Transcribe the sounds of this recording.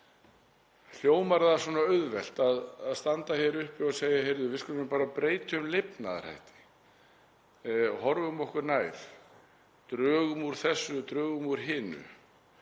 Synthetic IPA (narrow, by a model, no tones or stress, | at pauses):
l̥joːwmaɾðasɔːnaœɥðvɛl̥t̪aðaðst̪ant̪açɛɾʏhpiaðseːjahejɾðʏvɪðskʏlʏmɪpaːɾapɾeːjt̪ʏmlɪpna̰ð̰ɾ̥ha̰jht̪ɪ̥ | hɔɾvʏʏmɔhkʏɾnaːjθ | t̪ɾœːɣʏmuɾ̥θɛsːʏt̪ɾœːɣʏmuɾ̥ɦɪːnʏ̰